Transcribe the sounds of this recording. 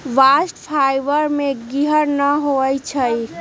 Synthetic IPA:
ʋasʈpʰajbəɾmeɡiɦəɾnəɦoəjt͡ʃʰəj

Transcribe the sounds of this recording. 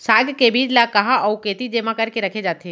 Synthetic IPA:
saːɡkebiːd͡ʒlakɐɦaʔɔukeːt̪id͡ʒeːmãkɐɾkeɾɐkʰed͡ʒaːt̪ʰeː

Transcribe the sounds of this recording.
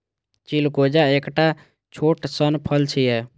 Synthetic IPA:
t͡ʃilkod͡ʒaekʈa | t͡ʃʰoʈsənpʰəlt͡ʃʰijɛ

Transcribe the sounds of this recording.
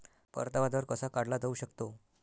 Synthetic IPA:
pə̰ɾt̪aʋad̪ʋəɾkəsakaɽlad̪ʱəuɕəkt̪o

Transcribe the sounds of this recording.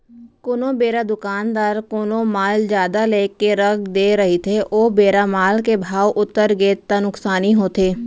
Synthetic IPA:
kʊnõːbeːɾaːd̪ʊkaːnd̪aːɾkoːnõːmaːld͡ʒjaːd̪aːleːkeːɾəkd̪eːɾəɦiːt̪ʰeːʔoːbeːɾaːmaːlkeːbʱaːʋʔʊt̪ːəɾɡeːt̪t̪ãːnʊksaːniːɦoːt̪ʰeː

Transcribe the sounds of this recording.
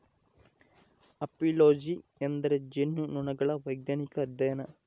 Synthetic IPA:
ɐpiloːd͡ʒiend̪ɐɾed͡ʒenːunuɳɐɡɐɭɐʋɐjɡnaːnikɐːd̪jɐjɐnɐ

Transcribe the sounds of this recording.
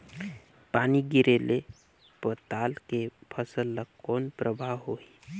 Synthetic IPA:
paːniɡɪɾele | pət̪aːlkepʰəsəlːəkkoːnpɾəbʱaɦoːi

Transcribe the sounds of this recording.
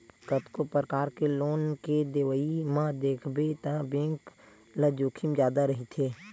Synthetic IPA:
kət̪kopɾəkaːɾkeloːnked̪eʋəimãd̪eːkʰbet̪ãbẽŋk | ləd͡ʒuːkʰɪmd͡ʒjaːd̪aɾəɦit̪ʰeː

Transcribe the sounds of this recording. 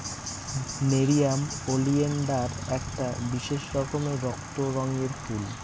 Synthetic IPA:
meɾijamolienɖaɾɛk̚ʈabiʃeʃɾɔkomeɾɔkt̪oɾɔŋɡeɾkʰul

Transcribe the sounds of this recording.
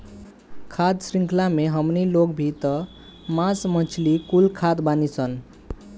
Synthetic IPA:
kʰad̪sɾĩŋkʰlameɦəmnilokbʱit̪ə | masmə̃t͡ʃʰlikulkʰad̪banisʰən

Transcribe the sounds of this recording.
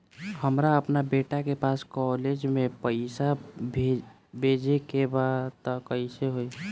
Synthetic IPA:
həmɾaəpnabeʈakepaskɔled͡ʒmẽpəɪsa | bʱed͡ʒekebad̪t̪ɔkəɪseɦoi

